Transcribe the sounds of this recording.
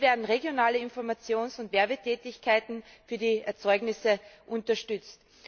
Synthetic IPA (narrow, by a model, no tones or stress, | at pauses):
vɛːɐdn̩ʁeɡjonaːləɪnfɔɐmat͡sjoːnsʊntvɛɐbətʰɛːtɪçkʰaɪtn̩fyːɐdiːɛɐt͡sɔʏɡnɪsəʔʊntɐʃtʏt͡st